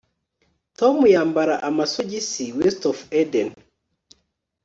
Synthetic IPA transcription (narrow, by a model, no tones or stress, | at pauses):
tɔmujambaɾaʔamasod͡ʒisiwistɔfɛdɛn